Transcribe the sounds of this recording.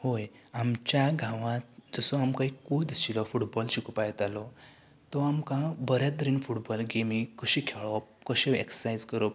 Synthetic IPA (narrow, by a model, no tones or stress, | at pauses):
hoj | amt͡ɕjaɡʱãʋãt̪̚d͡zɔsɔamkãɦikod̪it͡ɕilɔfuʈbɔlɕikupajt̪alɔ | t̪ɔamkãbəɾjat̪əɾiːnfuʈbɔlɡemikʰuɕikʰeɭɔp̚kəɕeḛksə̥sajd͡zkəɾɔp̚